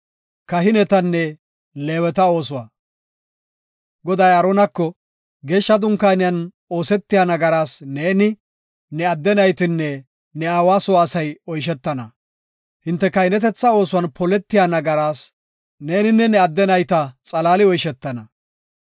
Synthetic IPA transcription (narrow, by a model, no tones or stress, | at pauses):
kɐɦɪnɛt̪ɐnːɛ | le̞ːwɛt̪ɐo̞ːsʊwaː | ɡɔd̪ɐjɐɾɔnɐkːɔ | ɡe̞ːʃːɐd̪ʊŋkːaːnɪjɐn | o̞ːsɛt̪ːɪjaːnɐɡɐɾaːsneːnɪ | nɛɐd̪ːɛnɐjt̪ɪnːɛ | nɛaːwaːsɔwaːsɐjɔjʃ̬ɛt̪ːɐnɐ | hɪnt̪ːɛkɐjɪnɛt̪ɛt͡sːɐo̞ːsʊwɐnpɔlɛt̪ːɪjaːnɐɡɐɾaːs | ne̞ːnɪnːɛnɛɐd̪ːɛnɐjt̪ɐt͡sʼɐlaːlɪɔjʃɛt̪ːɐnɐ